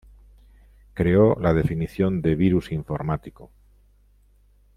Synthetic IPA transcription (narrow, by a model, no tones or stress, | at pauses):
kɾe̞olað̞e̞finiθjo̞nd̪e̞βiɾusiɱfo̞ɾmat̪iko